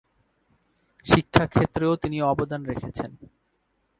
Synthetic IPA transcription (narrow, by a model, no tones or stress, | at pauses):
ʃikʰːakʰet̪ːɾeot̪iniɔbod̪anɾekʰet͡ɕʰen